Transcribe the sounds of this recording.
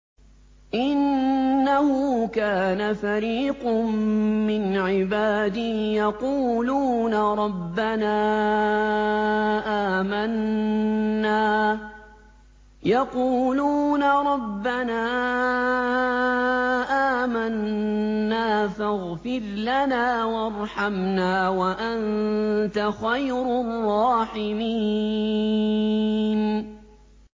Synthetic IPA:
ʔɪnːahʊkaːnafaɾiːqmmɪnʕɪbaːd̪ɪhjɑquːluːnaɾˤɑbːanaː | ʔaːmanː | aː | jɑquːluːnaɾˤɑbːanaː | ʔaːmanː | aːfaɣfɪɾlanaːwɑɾˤħamnaːwaʔant̪axajɾʊrˤːɑːħɪmiː | n

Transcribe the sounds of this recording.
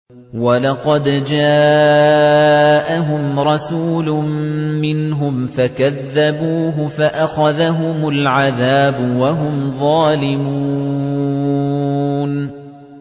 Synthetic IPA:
walɑqɑd̪d͡ʒaː | ʔaɦʊmɾˤɑsuːlʊmɪnɦʊmfakaðːabuːɦʊfaʔaxaðaɦʊmʊlʕaðaːbʊwaɦʊmðˤɑːlɪmu | n

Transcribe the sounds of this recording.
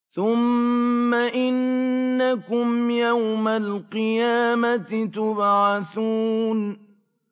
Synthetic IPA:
θʊmː | aʔɪnːakʊmjawmalqɨjaːmat̪t̪ʊbʕɑθuːn

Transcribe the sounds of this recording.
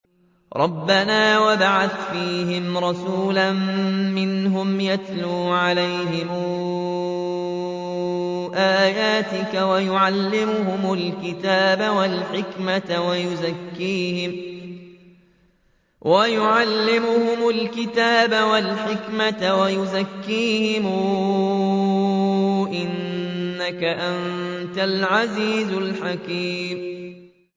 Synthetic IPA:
ɾˤʔɑbːanaːwabaʕaθfiːɦɪmɾˤɑsuːlamːɪnɦʊmjat̪luːʕalajɦɪm | ʔaːjaːt̪ɪkawajʊʕalːɪmʊhʊmʊlkɪt̪aːbawalħɪkmat̪wajʊzakːiːhɪm | wajʊʕalːɪmʊhʊmʊlkɪt̪aːbawalħɪkmat̪awajʊzakːiːhɪmuː | ʔɪnːakaʔannt̪alʕaziːzʊlħakiːm

